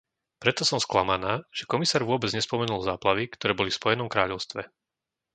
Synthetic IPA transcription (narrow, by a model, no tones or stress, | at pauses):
pɾɛt̪ɔsɔmsklamanaːʒ̥ɛkɔmisaːɾʋʊɔbɛd͡zɲɛspɔmɛnulˠzaːplaʋikt̪ɔɾɛːbɔlifspɔjɛnɔmkɾaːʎɔʊst̪ʋɛ̰